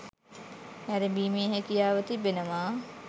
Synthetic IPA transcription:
æɾebiːmeːɦekijaːʋət̪ibenəmaː

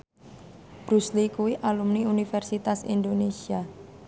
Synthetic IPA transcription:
b̥ɾuslikuwiʔalumniunifɛrsit̪asḭnd̪onesia

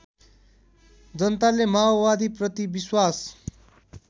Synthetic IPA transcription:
d͡zʌnt̪alemaobad̪ʱiprʌt̪ibiswas

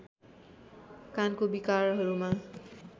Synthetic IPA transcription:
kankobikarɦʌɾuma

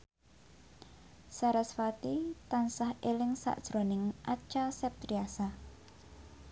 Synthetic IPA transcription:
saɾɛsfat̪it̪ansahelɪŋsa̰ʔd̥ʒ̥ɾonɪŋʔat͡ʃasɛp̚t̪ɾiasa

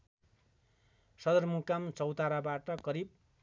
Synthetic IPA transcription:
sʌd̪ʌrmukamt͡sʌwt̪aɾabaʈʌkʌɾib̚

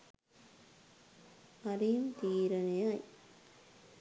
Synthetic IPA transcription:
ɐɾijmt̪iːɾɐnejaj

